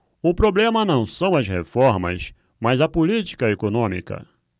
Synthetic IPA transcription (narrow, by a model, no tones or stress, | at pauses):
ʊpɾoblẽmɐnɐ̃w̃sɐ̃w̃ɐzhefɔɾmɐ̰s | mɐzɐpʊlit͡ʃi̥kɐekonõmḭkɐ̰